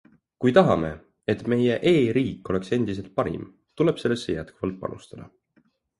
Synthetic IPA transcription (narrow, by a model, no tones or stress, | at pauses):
kujt̪ɑɦɑme̞̰ | e̞t̪me̞je̞ʔe̞ːɾiːkˑːo̞le̞kse̞nd̪̥ise̞lt̪̚pɑɾḭm | t̪ule̞b̥se̞lːesːejæt̪kuvɑlt̪̚pɑ̰nṵst̪ɑd̪̥ɑ